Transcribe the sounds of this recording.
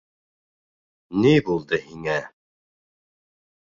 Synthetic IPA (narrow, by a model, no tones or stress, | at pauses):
nibulˠd̪əhiŋæ